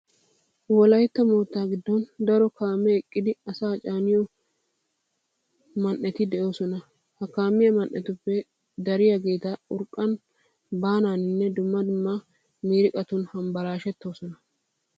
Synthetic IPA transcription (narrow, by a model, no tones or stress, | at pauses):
wɔlɐjt̪ːɐmo̞ːt̪ːaːɡɪd̪ːɔnd̪ɐɾɔkaːmːɛɛkʼːɪd̪ɪɐsaːt͡ʃʼaːnɪjɔ | mɐnːɛt̪ɪd̪ɛʔo̞ːsɔnɐ | hɐkaːmːɪjɐmɐnʔɛt̪ʊpːɛ | d̪ɐɾɪjaɡe̞ːt̪ɐʊɾkʼːɐn | baːnaːnɪnːɛd̪ʊmːɐd̪ʊmːɐ | miːɾɪkʼɐt̪ʊnhɐmbɐɾaːʃɛt̪ːo̞ːsɔnɐ